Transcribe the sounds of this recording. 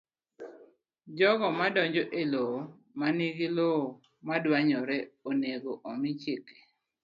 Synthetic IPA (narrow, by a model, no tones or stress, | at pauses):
d͡ʒɔɡɔmadɔɲd͡ʒɔʔelo | maniɡɪlo | madwaɲɔɾɛoneɡoʔɔmit͡ʃɪke̥